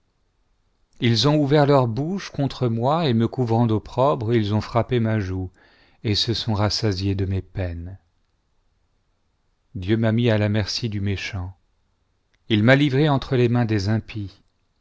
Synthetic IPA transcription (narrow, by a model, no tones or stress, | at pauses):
ilzɔ̃uvɛʁlœʁbuʃkɔ̃t̪χəmwaeməkuvʁɑ̃d̪opχɔbʁilzɔ̃fχapemaʒu | esəsɔ̃ʁasazjed̪əmepɛn | d̪jømamialamɛʁsid̪ymeʃɑ̃ | ilmalivʁeɑ̃t̪χəlemɛ̃d̪ezɛ̃pʰi